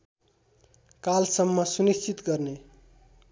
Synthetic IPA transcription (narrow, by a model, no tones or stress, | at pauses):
kalsʌmːʌsunist͡ʃʰit̪ɡʌrne